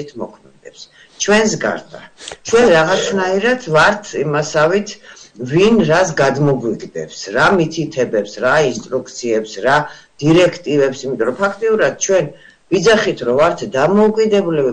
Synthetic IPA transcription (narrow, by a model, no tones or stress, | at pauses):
t̪ʰmɔkʰmɛd̪ɛps | t͡ʃʰwɛnsɡa̰ɾd̪a̰t͡ʃʰwɛnɾaʁat̪sʰnaiɾat̪ʰvaɾt̪ʰimasavit̪ʰvinɾasɡad̪mɔɡwiɡd̪ɛ̰psɾamit̪ʰit̪ʰɛbɛpsɾainst̪ʼɾukt̪sʰiɛpsɾa | d̪̥iɾɛkʰt̪ʼivɛpsimit̪ʼɔɾɔpʰakʰt̪ʼiuɾad̪̥̚t͡ʃʰwɛn | vid̪zaχit̪ʰɾɔvaɾt̪ʰd̪amɔukʼid̪ɛbulɛbi